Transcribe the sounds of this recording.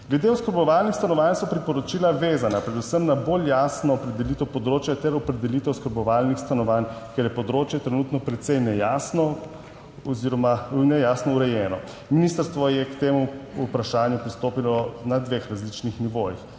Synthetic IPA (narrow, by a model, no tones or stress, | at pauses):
ɡ̥lɛd̪eɔskəɾbɔʋaːlnixst̪anɔʋansɔpɾipɔɾɔt͡ʃiːlaʋeːzanapɾɛd̪usəmnaboːljaːsnɔːpɾɛd̪ɛlit̪ɛwpɔd̪ɾoːt͡ʃjat̪ɛɾɔpɾɛd̪ɛlit̪ɛwskəɾbɔʋaːlnixst̪anɔʋaːnkɛɾjɛpɔd̪ɾoːt͡ʃjɛt̪ɾɛnuːt̪nɔpɾɛt̪sɛjnɛjaːsnɔ | ɔziɾɔmanɛjasnɔuɾɛjɛːnɔ | miniːst̪əɾst̪ʋɔjɛkt̪eːmuupɾaʃaːnjupɾist̪oːpilɔnad̪ʋexɾazlit͡ʃnixniʋoːjix